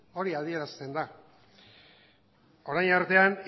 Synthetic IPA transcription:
o̞ɾiað̞ie̞ɾast̪e̞nd̪a | o̞ɾajnaɾt̪e̞an

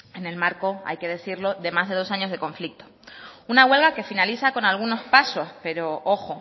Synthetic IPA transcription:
e̞ne̞lmaɾko̞a̰jke̞ð̞e̞θiɾlo̞ðe̞mazðe̞ð̞o̞saɲo̞zðe̞kõ̞ɱflik̚t̪ounaɣwe̞lɣake̞finaliθako̞nalɣ̞uno̞spaso̞spe̞ɾo̞ʔoxo̞

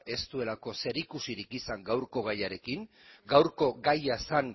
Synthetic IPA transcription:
e̞st̪ue̞lako̞se̞ɾikusiɾikisaŋɡawɾko̞ɣajaɾe̞kiŋ | ɡawɾko̞ɡajasaŋ

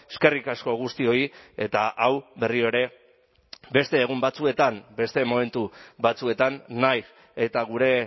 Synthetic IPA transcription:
eske̞rikasko̞ɣ̞ust̪io̞ie̞t̪aʔawbe̞rio̞ɾe̞ | be̞st̪e̞ːɣ̞umbat͡sue̞t̪ambe̞st̪e̞mo̞me̞nt̪uβat͡sue̞t̪anːajs | et̪aɣ̞uɾe̞

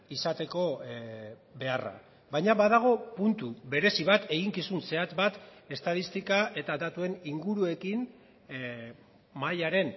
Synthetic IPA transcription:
isat̪e̞ko̞ | be̞ara̰ | βajɲaβað̞aɣ̞o̞punt̪uβe̞ɾe̞siβat̪e̞ɣ̞iŋkisunse̞at̪bat̪e̞st̪aðist̪ikae̞t̪ad̪at̪ue̞niŋɡuɾue̞kin | majaɾe̞n

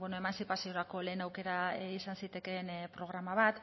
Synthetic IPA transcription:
bwe̞noe̞mansipasio̞ɾako̞le̞ːnawke̞ɾaisansit̪e̞ke̞npɾo̞ɣ̞ɾamaβat̪

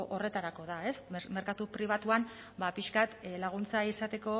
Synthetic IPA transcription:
ʔo̞re̞t̪aɾako̞ð̞ae̞sme̞ɾkat̪upɾiβ̞at̪uan | bapiʃkat̪laɣ̞unt͡saisat̪e̞ko̞

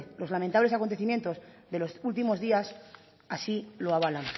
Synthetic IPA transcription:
lo̞zlament̪aβle̞sakont̪e̞θimje̞nt̪o̞zðelo̞sult̪̬imo̞zðias | asiloaβalan

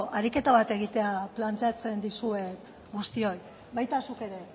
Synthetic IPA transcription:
ʔaɾike̞t̪aβat̪e̞ɣ̞it̪e̞aplant̪e̞at͡se̞nd̪isue̞t̪ | ɣust̪io̞j | βajt̪asuke̞ɾe̞

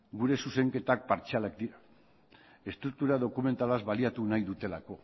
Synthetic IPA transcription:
ɡuɾe̞suse̞ŋke̞t̪ak̚paɾt͡ʃealak̚d̪iɾa | e̞st̪ɾuk̚t̪uɾaðo̞kume̞nt̪alazβaliat̪unajðut̪e̞lako̞

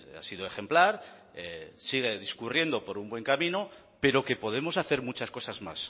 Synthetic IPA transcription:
a̰sið̞oe̞xe̞mplaɾ | esiɣ̞e̞ð̞iskurje̞nd̪o̞po̞ɾumbwe̞ŋkamĩno | pe̞ɾo̞ke̞po̞ð̞e̞mo̞saθe̞ɾmut͡ʃasko̞sazma̰s

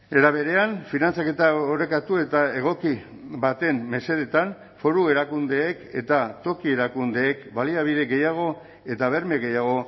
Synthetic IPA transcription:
e̞ɾaβ̞e̞ɾe̞anfinant͡sake̞t̪aoɾe̞kat̪ue̞t̪ae̞ɣ̞o̞ki | bat̪e̞mːe̞se̞ðet̪an | fo̞ɾue̞ɾakund̪eːke̞̰t̪at̪o̞kie̞ɾakund̪e̞ːkbaliaβ̞iðe̞ɣe̞jaɣ̞o̞ | e̞t̪aβe̞ɾme̞ɣe̞jaɣ̞o̞

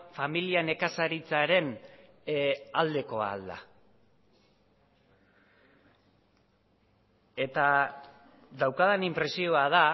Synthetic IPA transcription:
familiane̞kasaɾit͡saɾe̞n | ald̪e̞ko̞a̰ld̪a̰ | e̞t̪a | ðawkað̞enimpɾe̞sio̞aða

